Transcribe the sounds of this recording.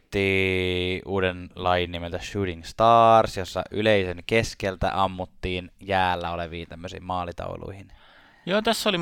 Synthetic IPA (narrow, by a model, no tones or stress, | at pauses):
t̪ːiːʔuːdenlɑjinːimelt̪æʃyːɾiŋst̪ɑːrsjosːɑ̰ʔyleiseŋkeskelt̪æ̰ʔɑmːut̪ːiːnjæːlːæoleʋiːnt̪æmːøsḭːmmɑːlit̪ɑ̰ulʔṵihin | joːt̪æsːoli